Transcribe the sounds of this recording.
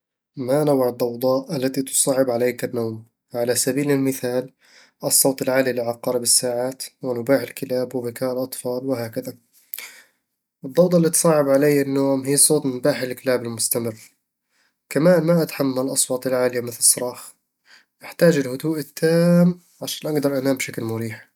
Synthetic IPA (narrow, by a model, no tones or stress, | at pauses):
manawʕɪd̪ˤːɑwd̪ˤɑʔʔalːat̪it̪ʊ̥sˤɑːʕɪbʕaleːkanːoːm | ʕalasabiːlɪlmɪθaːl | ʔɨsˤːoːt̪ˤɪlʕaːlɪjlːiʕɑqɑːɾˤɪbɪsːaːʕaːt̪wɪnʊbaːħɪlkɪlaːbwɪbɪkaːʔlʔɑt̪ˤfɑːlwɪɦaːkaða | ʔɨd̪ˤːɑwt̪ˤɑlːiːt̪sˤɑːʕɪbʕalejːanːoːmɦiːsˤoːt̪ˤnmʊbaːħɪlkɪlaːbɪlmʊst̪amɪrː | kamaːnmaʔat̪ħamːalʔɑsˤwɑːt̪ˤɪlʕaːlɪjamɪθlɨsˤːɑɾˤɑːx | ʔɪħt̪aːd͡ʒɪlhʊd̪uːʔɪt̪ʰːaːm | ʕaʃaːnʔaɡd̪ɑɾˤʔanaːmbʃaklmʊɾiːħ